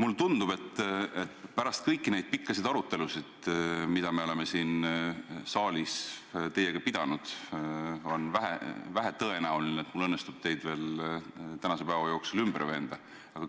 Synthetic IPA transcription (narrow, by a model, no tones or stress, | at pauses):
mulːt̪und̪ub̥e̞t̪ːet̪pæɾɑst̪̚kɤjkːˑine̞jd̪̥̚pikːˑɑsid̪̥ɑɾut̪ːˑe̞lusid̪̥mid̪̥ɑme̞o̞le̞me̞siːn | sɑːlʲist̪e̞je̞ɡ̥ɑpid̪̥ɑnud̪̥ | o̞nvæɦḛvæɦet̪ɤenæulinet̪mulːɤnːest̪ub̥t̪e̞jd̪̥ve̞ːlt̪ænɑse̞pævɑjo̞ːksulymbəɾve̞ːnd̪̥ɑ | ɑɡ̥ɑ